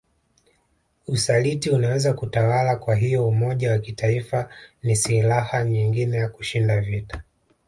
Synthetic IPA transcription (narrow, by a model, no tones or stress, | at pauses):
usalitiunawɛzakutawalakwaɦijɔumɔʄawakitaifanisilahaɲiŋɡinɛjakuʃindavitḁ